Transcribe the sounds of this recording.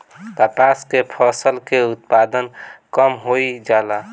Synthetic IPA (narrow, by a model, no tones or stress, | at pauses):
k̪apaskepʰəsəlkeut̪̚pad̪ənkəmɦoid͡ʒala